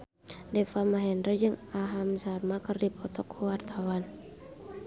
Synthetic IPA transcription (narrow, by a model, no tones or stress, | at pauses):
dɛfamaɦɛndəd͡ʒɨŋaɦamsarmakɨrdipʰɔt̪ʰɔkʰːuwart̪ʰawan